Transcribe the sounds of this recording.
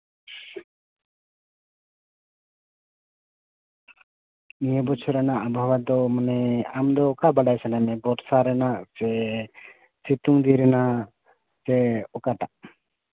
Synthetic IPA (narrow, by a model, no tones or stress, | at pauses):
nijəbɔt͡ʃʰɔɾɛnaʔabʱawad̪ɔmanɛamd̪ɔːkabaɖajsanamɛbɔɾsaɾɛnaʔsɛ | sit̪uŋd̪iɾɛnaʔ | sɛɔkaʈaʔ